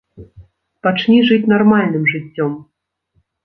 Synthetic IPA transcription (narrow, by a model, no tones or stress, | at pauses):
pat͡ʂnʲiʐɨt͡sʲnarmalʲnɨmʐɨt͡sʲːɔm